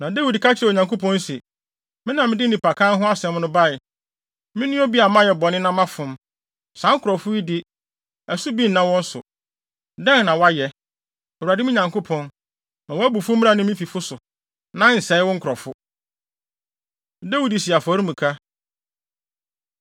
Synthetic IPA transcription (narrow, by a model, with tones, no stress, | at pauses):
nã˨de˦wi˨dkʰa˦t͡ɕʰɪ˦˨o˨ɲã˨ŋko˦pʰɔ̃˦nsɛ˨ | mɪ̃˦nã˨mɪ̃˦dɪ˦n̩˦˨ɪ̃˨pʰa˨kʰãː˦nɦʊ̃˦a˦sɛ̃˨˦m˦nʊ̃˦ba˦˨ɪ˨ | mɪ̃˦nʊ̃˦ɔ˦bi˦a˨mã˦jɛ˨bɔ˨nɪ̃˦nã˦mã˦fʊ̃˨m | sã˨˦ŋ̩˦kʰʊ˨ɾɔ˨fʊ˦i˦dɪ˦ | ɛ˨su˦bi˦n̩˨nã˦wɔ̃˦n̩˦sʊ̰˨ | dɛ̃˦nnã˨wa˦jɛ˦ | o˨a˨dɪ˦m̃˦ɲã˨ŋkʰo˦pʰɔ̃˦n | nã˨wɔ˦æ˦bu˨fʊ˦mĩ˦a˨nɪ̃˦mɪ̃˦fi˨fʊ˦sʊ˨ | nã˨˦n̩˨sɛ˨˦ɪ˦wɔ̃˦ŋ̩˦kʰɔ˨fʊ˦ | da˦wi˨di˨si˨a˨fɔ˨˦ɾi˦mũ˨kʰa˦